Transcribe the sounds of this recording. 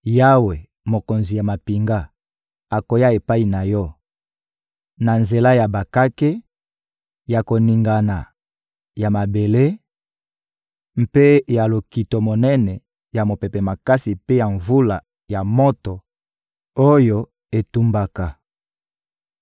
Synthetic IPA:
ja˦we˨ | mo˨ko˨nzi˨ja˨ma˨pi˨ŋɡa˦ | a˨ko˨ja˦e˨pa˦i˨na˨jɔ˦ | na˨nze˨la˦ja˨ba˨ka˦ke˦ | ja˨ko˨ni˨ŋɡa˨na˨ | ja˨ma˨be˨le˦ | m̩˦pe˦ja˨lo˨ki˨to˨mo˨nɛ˦nɛ˨ | ja˨mo˨pɛ˨pɛ˨ma˨ka˦si˨pe˦ja˨ɱvu˦la˨ | ja˨mo˦to˨ | o˦jo˦ | e˨tu˦mba˦ka˨

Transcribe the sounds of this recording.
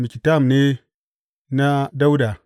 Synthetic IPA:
mi˨ki˨ta˦˨m˨ne˦ | na˦da˦wu˦da˨

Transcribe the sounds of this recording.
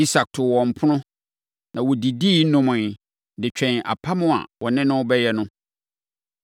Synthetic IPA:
i˦sa˨k̚tʰʊ˨wɔ̃˨m̩˨pʰʊ˦nʊ̃˦ | nã˨wɔ˨di˨diː˦nʊ̃˦mʊ̃˨ | dɪ˨t͡ɕᶣɛ̃˨na̰˨pʰa˦mʊ̃˦a̰˨wɔ˨nɪ̃˦nʊ̃˦bɛ˦jɛ˦nʊ̃˦

